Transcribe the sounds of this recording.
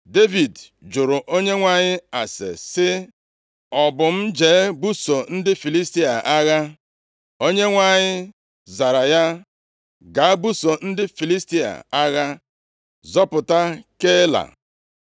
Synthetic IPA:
de˦vi˨d | d͡ʒʊ˨ɾʊ˨ʔo˦ɲe˦ŋʷa˨ɲɪ˦a˨sḛ˨sɪ˦ | ɔ˨bʊ˨m̩˦d͡ʒeː˨˦bu˦so˨n̩˦dɪ˦fi˨li˦sti˦a̰˨ʔa˦ɣa˦ | o˦ɲe˦ŋʷa˨ɲɪ˦ | za˨ɾa˨ja˦ | ɡa˨a˦bu˦so˨n̩˦dɪ˦fi˨li˦sti˦a̰˨a˦ɣa˦ | zɔ˦pʊ˨ta˦ke˦la̰˨

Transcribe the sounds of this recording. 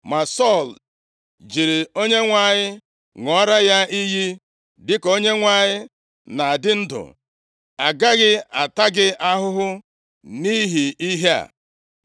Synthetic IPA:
ma˨sɔ˦˨l | d͡ʒi˨ɾi˨o˦ɲe˦ŋʷa˨ɲɪ˦ | ŋɔ˨˦ɾa˦ja˦i˦ɦi˦ | dɪ˦ko˦ɲe˦ŋʷa˨ɲɪ˦ | na˨a˨dɪ˦n̩˦dʊ̰˨ | a˨ɡa˦ɣɪ˦a˨ta˦ɡɪ˦a˦ɦʊ˦ɦʊ˦ | ni˦ɦi˨i˦ɦe˦a̰˨

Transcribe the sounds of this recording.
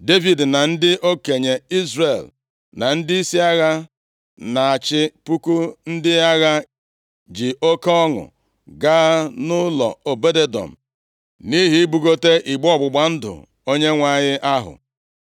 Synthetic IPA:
de˦vi˨dna˨n̩˦dɪ˦ʔo˦ke˨ɲe˨i˦zre˨l | na˨n̩˦dɪ˦i˦si˦a˦ɣa˦ | na˨a˨t͡ʃɪ˦pu˦ku˦n̩˦dɪ˦a˦ɣa˦ | d͡ʒi˨ʔo˦ke˦ɔ˦ŋʊ̰˨ | ɡaː˦nʊ˦lɔ̰˨o˨be˦de˦dɔ̰˨m̩˨ | ni˦ɦi˦bu˨ɡo˦te˦ʔi˨ɡ͡bɔ˦˨ɡ͡bʊ˨ɡ͡ba˨n̩˦dʊ̰˨ | o˦ɲe˦ŋʷa˦˨ɲɪ˦ʔa˦ɦʊ̰˨

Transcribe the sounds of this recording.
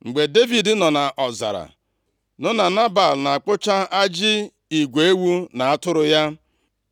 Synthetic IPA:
ŋ͡m̩˨ɡ͡be˨de˦vi˨dnɔ˨na˨ʔɔ˨za̰˨ɾa̰˨ | nʊ˦na˨na˦ba˨lna˨k͡pʊ˦t͡ʃa˦a˦d͡ʒɪ˦ | i˨ɡʷe˨e˦wu˦na˨a˦tʊ˦ɾʊ˦ja˦

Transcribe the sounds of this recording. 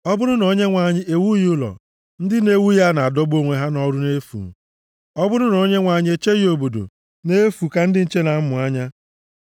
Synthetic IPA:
ɔ˦bʊ˦ɾʊ˦no˨˦ɲe˦ŋʷa˨ɲɪ˦e˨wu˦jʊ˦lɔ̰˨ | n̩˦dɪ˦ne˦wu˦ja˦na˨a˨dɔ˦bo˦ŋʷe˨ɦa˦nɔ˦ɾʊ˦ne˦fṵ˨m̩˨ | ɔ˦bʊ˦ɾʊ˦no˦ɲe˦ŋʷa˨ɲɪ˦e˦t͡ʃe˦ɣi˦o˨bo˨do̰˨ | ne˦fu˨ka˦n̩˦dɪ˦n̩˦t͡ʃe˦na˨˦mʊ˨a˦ɲa˦

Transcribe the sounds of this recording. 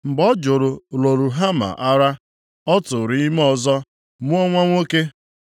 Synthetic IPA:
m̩˨ɡ͡bɔ˦d͡ʒʊ˨ɾʊ˨lo˨ɾu˨ɦa˦ma̰˨ʔa˦ɾa˦ | ɔ˦tʊ˨ɾi˦m˦ɔ˨zɔ˦ | mʊ˦ɔ˦ŋʷa˦ŋʷo˦ke˦

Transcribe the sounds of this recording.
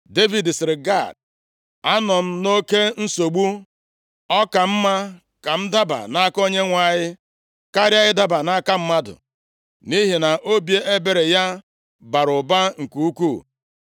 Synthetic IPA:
de˦vi˨dsɪ˨ɾɪ˨ɡa˦˨d̚ | a˦nɔ˨m̩˦no˦ke˦n̩˦so˨ɡ͡bu˦ | ɔ˦ka˨m̩˦ma˦ | ka˨m̩˦da˦ba̰˨na˦ko˦ɲe˦ŋʷa˨ɲɪ˦ | ka˦ɾja˦ɣɪ˦da˦ba˨na˦a˦ka˦m̩˦ma˦dʊ̰˨ | ni˦ɦi˨na˨ʔo˦bje˦ʔe˦be˨ɾe˨ja˦ | ba˨ɾʊ˨ba˦ŋ̩˨ku˨u˦ku˦˨

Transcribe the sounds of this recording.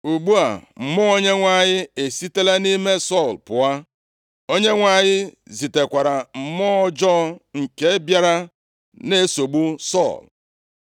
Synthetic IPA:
u˨ɡ͡bu˦a̰˨m̩˨mɔ˦o˦ɲe˦ŋʷa˨ɲɪ˦e˨si˦te˦le˦ni˦me˦sɔ˦˨lpʊ˨a˦ | o˦ɲe˦ŋʷa˨ɲɪ˦zi˨te˨kʷa˨ɾa˨m̩˨mɔ˦d͡ʒɔ˦ŋ̩˨ke˦bja˦ɾa˦ | ne˦so˨ɡ͡bu˦sɔ̰˦˨l

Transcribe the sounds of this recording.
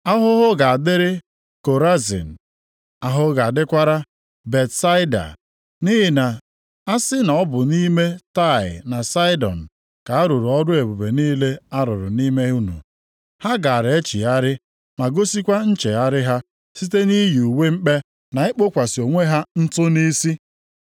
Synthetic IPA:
a˦ɦʊ˦ɦʊ˦ɡa˨a˨dɪ˦ɾɪ˦ | ko˨ɾa˦zḭ˨n̩˨ | a˦ɦʊ˦ɡa˨a˨dɪ˦kʷa˦ɾa˦ | be˨tsa˦ɪ˦da̰˨ | ni˦ɦɪ˨na˨ | a˦sɪ˦na˨ɔ˦bʊ˨ni˦me˦ta˦˨ɪ̰˨na˨sa˦ɪ˦dɔ̰˨n̩˨ | ka˨a˦ɾu˨ɾʊ˨ɔ˦dʊ˦e˨bu˨be˨niː˦le˦a˦ɾʊ˨ɾʊ̰˨ni˦me˦u˦nṵ˨ | ha˦ɡa˨ɾe˦t͡ʃḭ˨a˦ɾɪ˦ | ma˨ɡo˦si˦kʷa˦n̩˦t͡ʃe˨a˦ɾɪ˦ɦa˦ | si˦te˦ni˦ju˨we˦ŋ͡m̩˦k͡pe˦ | na˨ɪ˦k͡po˦kʷa˨sɪ˨o˨ŋʷe˦ɦa˦n̩˦tʊ˦ni˦si˦

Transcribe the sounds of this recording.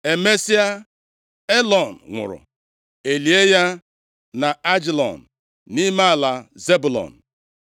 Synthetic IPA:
e˨me˦si˦a˦ | e˦lɔ˨n̩˨ŋʷʊ̰˨ɾʊ̰˨ | e˨li˨e˦ja˦ | na˨a˦d͡ʒi˨lɔ̰˨n̩˨ | ni˦ma˦a˦˨la˨ze˦bʊ˨lɔ̰˨n̩˨

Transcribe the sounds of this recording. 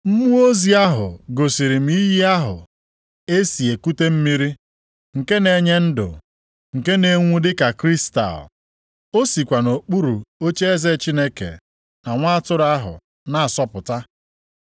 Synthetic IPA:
m̩˦mu˦o˦zi˨˦a˦ɦʊ̰˨ɡo˨si˨ɾi˨m̩˦i˦ɦi˦a˦ɦʊ̰˨ | e˦si˨e˨ku˦te˦m̩˦mi˦ɾi˦ | ŋ̩˨ke˦ne˨ɲe˦n̩˦dʊ̰˨ | ŋ̩˨ke˦ne˨ŋʷu˦dɪ˦ka˨kɾi˦sta̰˨l | o˦si˨kʷa˨no˨k͡pu˦ɾu˨o˦t͡ʃe˦e˦ze˦˨t͡ʃi˦ne˦kḛ˨ | na˨ŋʷa˦a˦tʊ˦ɾa˦ɦʊ̰˨ | na˦˨a˨sɔ˦pʊ˨ta˦

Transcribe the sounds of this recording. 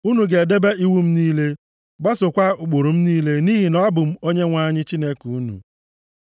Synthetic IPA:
u˦nu˨ɡe˨de˦be˦i˦wu˦m̩˦niː˦le˦ | ɡ͡ba˦so˨kʷa˦ʊ˨ɡ͡bu˨ɾu˨m̩˦niː˦le˦ni˦ɦi˨nɔ˦bʊ˨m̩˦o˦ɲe˦ŋʷa˦ɲɪ˦t͡ʃi˦ne˦ku˨u˦nṵ˨

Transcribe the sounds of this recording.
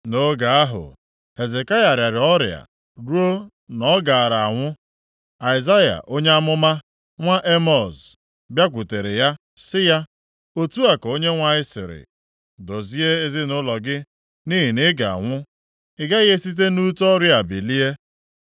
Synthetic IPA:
no˦ɡa˨a˦ɦʊ̰˨ | he˨ze˨ka˦ja˨ɾja˨ɾɪ˨ɔ˦ɾɪ̰˨a̰˨ | ɾu˦o˦ | nɔ˦ɡa˨a˨ɾa˨a˨ŋʷʊ˦ | a˨ɪ˨za˦ja̰˨ʔo˦ɲe˦a˦mʊ˦ma˦ | ŋʷa˦ʔe˦mɔ˨z | bja˦kʷʊ˨te˨ɾe˨ja˦ | sɪ˦ja˦ | o˦tu˦a˨ko˦ɲe˦ŋʷa˦ɪ˦sɪ̰˨ɾɪ̰˨ | do˨zi˦e˦e˦zɪ˦nʊ˦lɔ˨ɡɪ˦ | ni˦ɦi˨nɪ˦ɡa̰˨a̰˨ŋʷʊ˦ | ɪ˨ɡa˦ɣe˦si˦t̬e˦nu˦tɔ˦ɾja˨bi˨li˦e˦

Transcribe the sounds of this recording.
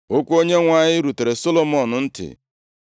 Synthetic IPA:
o˦kʷu˦o˦ɲe˦ŋʷa˨ɲɪ˦ɾu˨te˨ɾe˨so˦lo˦mɔ˦˨nʊ˨n̩˦tɪ̰˨

